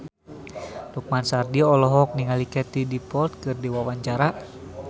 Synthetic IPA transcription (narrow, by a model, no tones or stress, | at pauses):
duk̚mansardiɔlɔɦɔk̚niŋalikɛt̪idipɔlt̪̚kɨrdiwawaɲt͡ʃaɾa